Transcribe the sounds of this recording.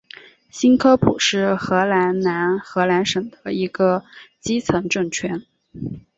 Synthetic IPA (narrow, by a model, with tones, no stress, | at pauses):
ɕi˥nkʰɤ˥pʰṵ˨˩ʂɻ̩˥˩xɤ˧˥la˧˥nna˧˥nxɤ˧˥la˧˥nʂɤ˨˩ŋd̪ə˦i˧˥ɡə˧t͡ɕi˥t͡sʰɤ˧˥ŋʈ͡ʂɤ˥˩ŋt͡ɕʰɥɛ˧˥n